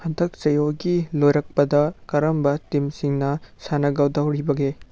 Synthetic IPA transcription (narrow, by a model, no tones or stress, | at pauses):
hɐndɐk̚t͡ʃɐjoɡilojɾɐk̚pɐdɐkɐɾɐmbɐtimsiŋnɐsanɐɡɐwdɐwɾibɐɡe